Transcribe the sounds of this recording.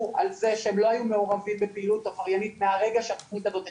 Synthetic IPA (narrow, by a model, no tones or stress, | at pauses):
ʔalze̞ʃeemlo̞ajume̞oʁavimbepiilutafaʁjanit̪meaʁe̞ɡaʃeat̪oχnitazo̞t